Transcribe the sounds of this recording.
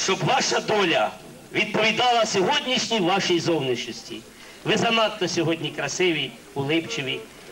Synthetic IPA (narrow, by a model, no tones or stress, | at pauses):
ʃt͡ʃɔbʋɑʃɐd̪ɔlʲɐ | ʋʲid̪̚pɔʋʲid̪ɑlˠɐsʲɔɦɔdʲnʲiʃnʲiʋɑʃijzɔwniʃɔsʲtʲḭ | ʋɪzɐnɑt̪ːɔsʲɔɦɔdʲnʲikɾɐsɪʋʲi | ʊlˠɪpt͡ʃɪʋʲi